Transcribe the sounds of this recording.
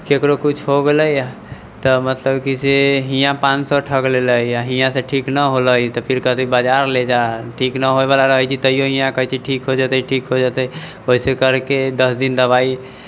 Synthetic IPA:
kekɾokut͡ʃʰɦoɡeləja | t̪ɔmət̪ləbkiseɦijãpãnsɔʈʰəkleləiaɦijãseʈʰiknəɦoləjt̪ɔpʰiɾkət̪oibəd͡ʒaɾled͡ʒaʈʰiknəɦoebalaɾəɦɛt͡ʃʰit̪əijoɦĩjãkəɦit͡ʃʰiʈʰikɦod͡ʒat̪əʈʰikɦod͡ʒat̪ɛ | oɦisekəɾked̪əsd̪ind̪əβai

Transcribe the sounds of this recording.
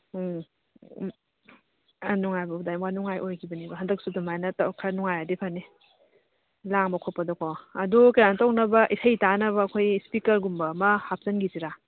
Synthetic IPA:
nuŋajbɐudajmwanuŋajʔojkʰibɐnibɐɦɐndɐk̚sudumajnɐtakʰanuŋajadipʰanːi | laŋbɐkʰɔpːɐdɔkʰɔɐdukɐjanɐtawk̚nɐbɐʔisʰɐjtanɐβɐːkʰojspikɐɾɡumbɐmɐhap̚sɐnɡiziɾa

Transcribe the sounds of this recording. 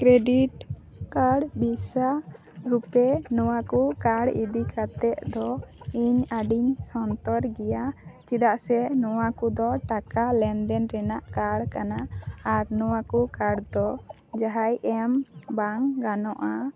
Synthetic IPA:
kɾeɖiʈ | kaɽbisa | ɾupɛnɔwakukaɽḭd̪ikʰat̪ɛʔ̪d̪ɔiɲaɖiɲsɔnt̪ɔɾɡɛjat͡ʃid̪aʔsɛnɔwakud̪ɔʈakalɛnd̪ɛnɾɛnaʔkaɽkanaːɾnɔwakukaɽd̪ɔ | d͡ʒaɦajʔɛmbaŋɡanɔʔa

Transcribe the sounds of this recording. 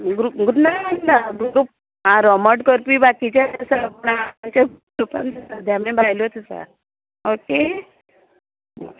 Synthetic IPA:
ɡɾuɡud̪nam̤əʈlabɡɾup̚ | ãɾɔməʈkəɾpibakit͡ɕjat̪əsapuɳaaɲt͡ɕaɡ | ɾupa̰nt̪əsad̪ʱjamẽbʱajlot̪əsa̰ | oke

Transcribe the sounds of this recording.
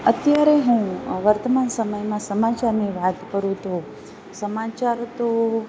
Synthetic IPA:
ət̪jaɾeɦũʋəɾt̪əmansəməjmãsəmat͡ʃaɾniʋat̪kəɾũt̪ʰo | səmat͡ʃaɾt̪o

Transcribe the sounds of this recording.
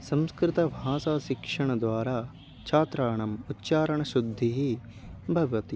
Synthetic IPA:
sɐmskɾɪt̪ɐbʱaːsaːʃikʂɐɳɐd̪ʋaːɾaː | t͡ʃʰaːt̪ɾaːɳɐmutːt͡ʃaːɾɐɳɐʃud̪ʱːiɦi | bʱɐʋʋɐt̪i

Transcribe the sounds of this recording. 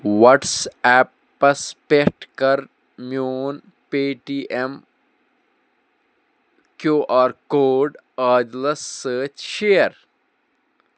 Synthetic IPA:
ʋɔʈsɛpː | ɐspekʈkɐɾ | mjoːn | peːʈiːʔem | kjuːʔaːɾkoːɖ | aːd͡ʒləsːəːt͡ʃʃeːəɾ

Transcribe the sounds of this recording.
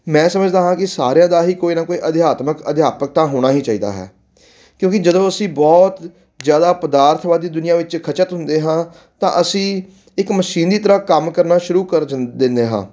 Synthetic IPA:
mɛ̃ːsəməd͡ʒd̪aːɦãːkɪsa̰ːɾejãːd̪aːɦiːkoːiːnãːkoːiːʔəd̪ɪjaːt̪məkəd̪ɪjaːpək̚t̪ãːɦoːɽ̃aːɦiːt͡ʃaːiːd̪a̰ːɦɛ̰ː | kjõːkɪd͡ʒəd̪õːəsĩːbɔːt̪ | zjaːd̪aːpəd̪aːɾt̪ʰʋaːd̪iːd̪ʊnɪjãːʋɪt͡ʃkʰət͡ʃət̪ɦʊnd̪eːɦãː | t̪ã̰ːʔəsĩː | ɪkməʃiːnd̪iːt̪əɾaːkəmkəɾnaːʃʊɾuːkəɾd̪ɪnd̪eːɦã̰ː

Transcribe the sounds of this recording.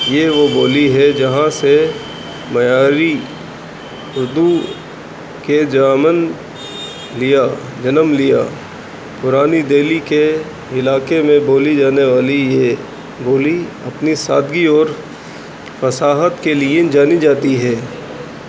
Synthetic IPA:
jeʋoboːliɦɛd͡ʒɐɦãse | mɐjaːɾi | ʊɾd̪u | ked͡ʒaːmən | lɪja | d͡ʒɐnəmlija̰ː | pʊɾaːnid̪eːlike | ɪlaːkemẽboːlid͡ʒaːneʋaːlije | boːli | ɐpnisa̰ːd̪ɡiɔːɾ | fɐsaːɦət̪kelied͡ʒaːnid͡ʒaːt̪iɦɛː

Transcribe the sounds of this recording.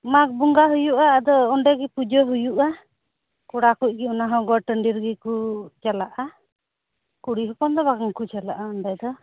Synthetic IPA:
mak̚buŋɡaɦujuʔaːd̪ɔːɳɖɛɡɛpud͡ʒɔɦujuʔa | kuɽakuc̚ˀɡiunaɦɔ̃ɡɔʈəɳɖiɾɡikut͡ʃalaʔa | kuɽiɦɔpɔnd̪ɔβaɡaŋkut͡ʃala̰ʔaɔɳɖɛd̪ɔ

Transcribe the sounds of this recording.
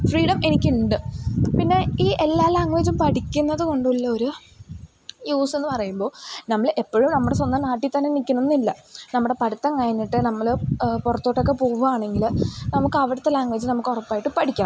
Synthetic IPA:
friːɽɐmʔe̞nikʲːuɳɖɨpinːe̞iːʔelːaːlaːŋʋeːd͡ʑumpɐʈikʲːunːɐðɨko̞ɳɖuilːɐo̞ɾu | juːse̞nːɨpɐrɐjumbo̞ːnɐmːɐɭʔe̞pːoɻumnɐmːuɽe̞sond̪ɐmnaːʈːit̪ːɐnːenikʲːɐnunːilːɐnɐmːuɽe̞pɐɽut̪ːɐŋkɐjɐnːiʈːɨnɐmːɐɭpurɐt̪ːoːʈːo̞kːe̞poːɣɐaːɳe̞ŋɡilnɐmukːɐʋiɽut̪ːelaːŋʋeːd͡ʑumnɐmukːorɐpːaːjiʈːɨpɐʈikʲːaː

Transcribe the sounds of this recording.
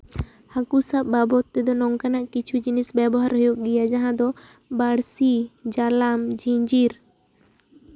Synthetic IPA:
hakusaʔ̚babɔt̪ːɛd̪ɔnɔŋkanaʔkit͡ʃʰud͡ʒinisbɛbɔɦaɾɦɔjoʔ̚ɡijad͡ʒaɦãd̪ɔ | baɽsid͡ʒalamd͡ʒiɲd͡ʒiɾ

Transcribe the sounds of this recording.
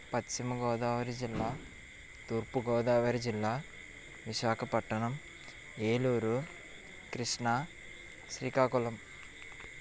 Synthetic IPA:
pɐtt͡ʃimɐɡɔːd̪aːʋɐɾid͡ʒilːaː | t̪uːɾpuɡɔːd̪aːʋɐɾid͡ʒilːaː | ʋiʃaːkʰɐpɐʈːɐɳɐm | eːluːɾu | kɾiʂɳaː | ʃɾiːkaːkulɐm

